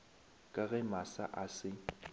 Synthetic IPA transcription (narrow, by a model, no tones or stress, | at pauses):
kʼaɣɛmasa̰ʔasɪ